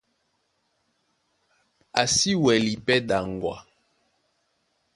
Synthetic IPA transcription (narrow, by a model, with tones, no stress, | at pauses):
a˨si˦wɛ˨li˨pɛ˦da˨ŋɡwa̰˨